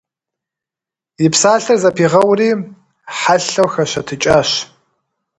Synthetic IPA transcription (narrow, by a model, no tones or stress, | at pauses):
jɪpsaːɬɐrzɐpʰiːʁɐwriː | ħaɬɐwxɐɕɐtʰɨt͡ʃʼaːɕ